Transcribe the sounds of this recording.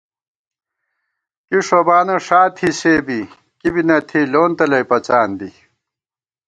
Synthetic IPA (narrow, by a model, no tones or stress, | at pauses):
kiʂobaːnɐʂaːt̪ʰiseːbi | kibinɐt̪ʰiloːnt̪ɐlɐjpɐt͡ɕaːnd̪i